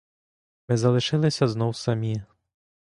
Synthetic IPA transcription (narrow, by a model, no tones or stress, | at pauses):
mɨzɐlˠɨʂɨlˠɨsʲɐznɔwsamʲi